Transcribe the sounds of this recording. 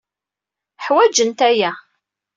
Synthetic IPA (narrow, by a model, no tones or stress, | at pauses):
ħwæd͡ʒənt̪æjæ